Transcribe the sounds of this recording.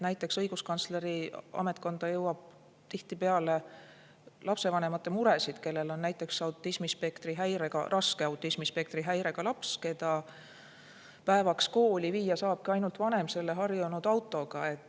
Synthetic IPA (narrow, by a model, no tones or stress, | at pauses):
næjt̪ːˑe̞ksɤjɡ̥uskɑnt̪sle̞ɾiɑ̰me̞t̪̚ˑko̞nd̪̥ɑjɤwɑb̥̚ | t̪iht̪ipe̞ɑle̞ | lɑpse̞vɑne̞mɑt̪ːˑe̞muɾe̞sid̪̥ke̞lːe̞lo̞nːæjt̪ːˑe̞ksɑwt̪ːˑismispe̞kt̪riɦæjɾeɡ̥ɑ̰rʔɑskeɑwt̪ːˑismispe̞k̚t̪riɦæjɾe̞ɡ̥ɑlɑpske̞d̪ɑ | pæevɑksko̞ːlʲiviːjɑsɑːb̥̚kɑɑjnult̪vɑne̞mse̞lːe̞ɦɑrjunud̪̥ɑwt̪ːˑo̞ɡ̥ɑe̞t̪ːˑ